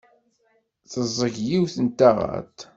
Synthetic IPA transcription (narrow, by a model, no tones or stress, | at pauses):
θəzˤːəʝjiwθənt̪ːaʁæ̰t̪